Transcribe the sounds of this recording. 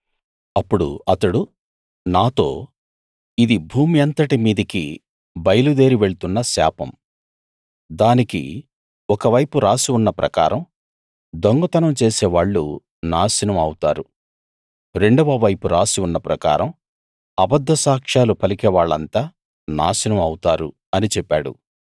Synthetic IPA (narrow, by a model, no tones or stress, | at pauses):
ɐpːuɽṵɐt̪ɐɽu | naːt̪o̞̰ː | id̪ibʱuːmiɐnt̪ɐʈimiːd̪ɐki | bɐjɐlud̪e̞ːɾiʋe̞ɭut̪unːɐsa̰ːpɐ̰m | d̪aːnikḭ | ɔkɐʋɐjpuɾaːsiunːɐpɾʔɐ̰ka̰ːɾɐm | d̪oŋɡɐt̪ɐnɐmt͡ʃeːsɛːʋaːɭːṵ | naːʃinɐmɐwut̪aːɾu | ɾeɳɖɐʋɐʋɐjpuɾaːsiunːɐpɾɐka̰ːɾɐm | ɐbɐd̪ʱːɐsaːkʂaːlupʰɐlikɛːʋaːɭːɐ̰nt̪aː | na̰ːʃinɐmɐwut̪aːɾu | ɐnit͡ʃɛpːa̰ːɽṵ